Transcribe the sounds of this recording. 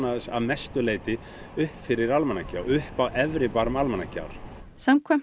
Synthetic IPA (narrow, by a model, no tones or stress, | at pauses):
naðɪsa̰ðmɛst̪ʏleːjt̪ɪ | ʏhpfɪɾɪɾalmanaca̰ːwʏhpawʔɛvɾɪpaɾʏmalmɛnaca̰ːwɾ̥ | samkʰvɛm